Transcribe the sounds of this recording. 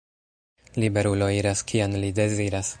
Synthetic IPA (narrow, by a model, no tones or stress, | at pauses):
libe̞ɾulo̞iɾaskʰianlide̞ziɾas